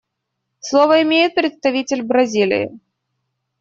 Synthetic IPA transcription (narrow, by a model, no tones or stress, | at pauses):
slˠovəɪmʲejɪt̪̚pɾʲɪt̪st̪ɐvʲitʲɪlʲbɾɐzʲilʲɪ̰jɪ̰